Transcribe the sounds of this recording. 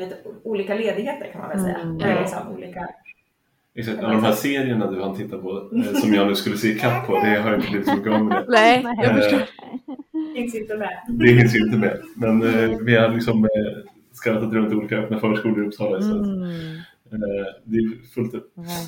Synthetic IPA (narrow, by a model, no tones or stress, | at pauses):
lit̪əuːliːkaleːd̪ɪheːt̪əɾkʰanma̰vɛlsɛ̰jːa̰ɛɪsa̰nṵːliːka | ɛksak̚t̪ad̪ɔmɦæːseːɾɪəɳad̪ɵhant̪ʰɪt̪ːaɾpʰɔssɔmjɑːnʉ̟ːskɵlːəseːkʰapʰːɔd̪ɛɦaɾjɪnt̪əbliːvɪt̪sɔmɪkːɔːvəəɛ | fɪnsjɪnt̪əmɛd̪ɛfɪns̬jaɪnt̪əmɛmɛnvɛjhad̪lɪksɔm | skɾat̪ːat̪ɾɵnt̪uːliːkaœpːnafœːʂkuːləɾɵpsɑːlasɔat̪ | d̪ɛjfɵlt̪ɵp